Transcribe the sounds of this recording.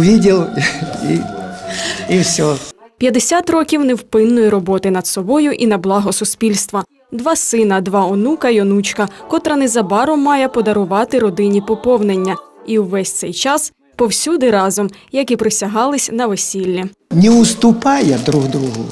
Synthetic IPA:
ʋʲidʲɪlˠi | iwsʲɔpʲjɐd̪esʲat̪rɔkʲiwnɛwpɪnːɔjɛɾɔbɔt̪ɪnɐd̪sɔbɔjʊʔinɐblˠɑɦɔsʊspʲilʲst̪ʋɐ | d̪ʋɑsɪnɐd̪ʋɑɔnukɐjɔnut͡ʃkɐkɔt̪ɾɐnɛzɐbɑɾɔmːɑjɛpɔd̪ɐɾʊʋɑt̪ɪɾɔd̪ɪnʲipɔpɔwnenʲːɐiwʋɛsʲt̪sɛjt͡ʃɑs | pɔwsʲud̪ɪɾɑzɔmjɐkipɾɪsʲɐɦɑlˠɪsʲnɐʋesʲilʲːi | nʲɛʊst̪ʊpɑjɐd̪ɾuɣd̪ɾuɦʊ

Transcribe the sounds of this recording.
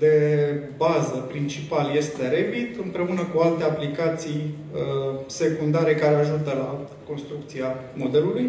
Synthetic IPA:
d̪e̞bazəpɾint͡ʃipalje̞st̪e̞ɾebit̪ɨmpɾe̞unəkualt̪e̞aplikat̪sij | se̞kund̪aɾe̞kaɾe̞aʒut̪əla | ko̞nst̪ɾuk̚t̪siamo̞d̪e̞luluj

